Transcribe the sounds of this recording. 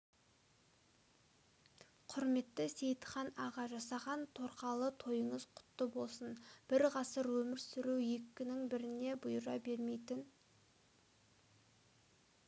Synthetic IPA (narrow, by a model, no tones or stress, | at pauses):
qʰʊɾme̞t̪ːɪse̞jt̪ə̥χɑnɑʁɑʒɑsɑʁɑnt̪ʰo̞ɾqɑlˠət̪ʰo̞jəɴəz̥qʰʊ̥t̪ːəbo̞lˠsənb̥ɪɾʁɑsəɾwɵmɪɾsʏɾuwjekʲːɪnɪŋbɪɾɪne̞bʊjəɾɑ̰be̞ɾme̞jt̪ɪn